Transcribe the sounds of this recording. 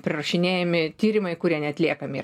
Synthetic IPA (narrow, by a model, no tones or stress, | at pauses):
pʲɾʲɪrɐʃʲɪnʲeːjɛmʲɪt̪ʲiːɾʲɪmɐɪkʊɾʲiɛnʲɛɐt̪ʲlʲiɛkɐmʲiː